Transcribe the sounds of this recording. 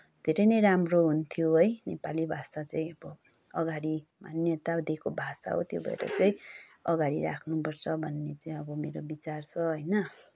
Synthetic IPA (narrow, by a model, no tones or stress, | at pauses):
d̪ʱeɾʌjnʌjɾamroɦunt̪ʰijoɦojnepalibʱasat͡saĩʌbʌ | ʌɡaɽimanjʌt̪ad̪ekobʱasa̰ɦo̰t̪jo̰bʱʌ̰ḛɾʌ̰t͡saĩʌɡaɾiɾa̰kʰnupʌrt͡sʰʌbʱʌnːet͡saĩʌbʌmeɾobit͡sart͡sʰʌɦojnʌ